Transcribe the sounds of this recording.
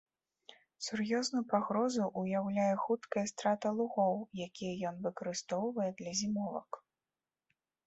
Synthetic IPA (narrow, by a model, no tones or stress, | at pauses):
surjɔznujupaɣɾɔzuʔujawlʲajɛxut̪kɐjɐst̪ɾat̪ɐlˠuɣɔwjakʲijɛjɔn̪vɨkɐɾɨst̪ɔwvɐjɛd̪lʲɐzʲimɔvɐk